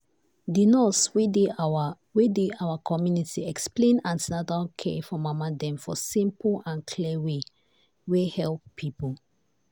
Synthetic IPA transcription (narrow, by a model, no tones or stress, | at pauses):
dinɔswede | wedeawakʰɔmjunitiɛksplẽnãntinadalkʰḛfɔmamadɛ̃mfɔsĩmplãnkʰliwe | wehɛlp̚pʰipəl